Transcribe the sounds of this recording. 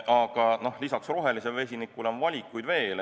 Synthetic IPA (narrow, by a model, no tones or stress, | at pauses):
ɑɡ̥ɑno̞hlisɑksro̞ɦe̞lise̞lve̞sʲinikːˑulonvɑlʲikːˑujd̪ve̞ːl